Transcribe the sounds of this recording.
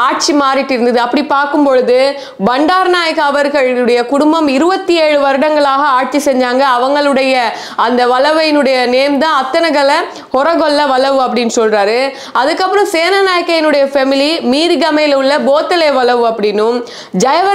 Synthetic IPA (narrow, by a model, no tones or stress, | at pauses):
aːʈ̚t͡ʃimaːɾɪʈːɪɾɯnd̪ɐðɯɐpːɐɽipaːɾkɯmpɔɻɯðɯ | bɐɳɖaːɾnaːjɐkːaːʋɐɾɣɐɭɯɽɐjɐkʊɽʊmbɐmɪɾɯbɐt̪ːieːɻɯʋɐɾɯɽɐŋɡɐɭaːɣɐaːʈ̚t͡ʃisɛɲd͡ʒaːŋɡɐːʋɐŋɡɐɭɯɽɐjɐ | ɐnd̪ɐʋɐlɐʋɐjɪnɯɽɐjɐneːmd̪ãːɐt̪ːɐnɐɣɐlɐ | hɔɾɐɣɔlːɐʋɐlɐʋɯɐpːɐɽɪnːɯsɔlraːɾɯ | ɐðɯkːɐpːɯɾɔ̃mseːnɐnaːjɐkːɐjɪnɯɽɐjɐfɛmɪlimiːɾɡɐmɐɪlɯɭːɐboːt̪ːɐleːʋɐlɐʋɯɐpːɐɽɪnːɯ | d͡ʒɐjɐʋɐ